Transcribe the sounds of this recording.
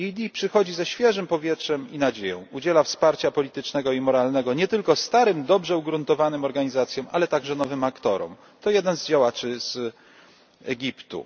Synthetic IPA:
id̪ʲipʂɘxɔd͡ʑizɛɕfʲjɛʐɘmpɔvʲjɛtʂɛminad͡ʑejɔ̰̃w̃ud͡ʑɛlafspaɾt͡ɕapɔlʲit̪ɘt͡ʂnɛɡɔimɔɾalnɛɡɔɲɛt̪ɘlkɔst̪aɾɘmd̪ɔbʐɛuɡɾunt̪ɔvanɘmɔɾɡaɲizat̪sʲjɔ̃walɛt̪aɡʐɛnɔvɘmakt̪ɔɾɔ̰m | t̪ɔjɛd̪ɛnzd͡ʑawat͡ʂɘz̥ | ɛɡʲipt̪ṵ

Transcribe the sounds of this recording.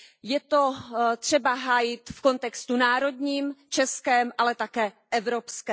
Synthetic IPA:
jɛt̪o̞t̪r̝̥ɛbaɦaːjɪt̪fko̞nt̪ɛkst̪unaːɾo̞d̪ɲiːmt͡ʃɛskɛːmʔalɛt̪akɛː | ʔɛvɾo̞pskɛː

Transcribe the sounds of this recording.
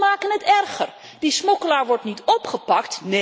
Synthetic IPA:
maːkənɦətɛrχər | dismɔkəlaːɹʋɔɹtnitɔpχəpɑktne

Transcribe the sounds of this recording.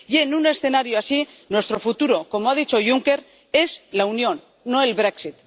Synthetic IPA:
je̞nune̞sθe̞naɾjoasi | nwe̞st̪ɾo̞fut̪uɾo̞ko̞moað̞it͡ʃo̞ʝuŋke̞ɾ | e̞zlaunjo̞nː | oe̞lβɾeksit̪

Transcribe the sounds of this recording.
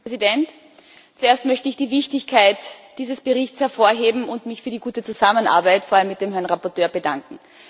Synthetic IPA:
zidɛnt | t͡sueːɐstmœçtəɪçd̥iːvɪçtɪçkʰaɪtd̥iːzəsb̥əʁɪçt͡shɛɐfoːɐɦeːbm̩ʊntmɪçfyːɐdiɡuːtət͡suzaməna̰ːɐbæɪtfoɐalmːɪt̚d̥eːmɦɛɐnʁapɔɐtøːɐbədaŋkŋ̩

